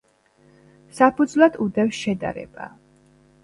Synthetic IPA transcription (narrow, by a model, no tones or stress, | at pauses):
sapʰud̪zlˠad̪ud̪ɛfsʃɛd̪a̰ɾɛ̰b̥a̰